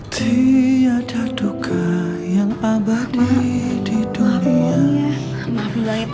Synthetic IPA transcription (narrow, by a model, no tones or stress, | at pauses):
t̪ʰiadad̥uɡʰajaŋabadidid̥unia | mabilaŋ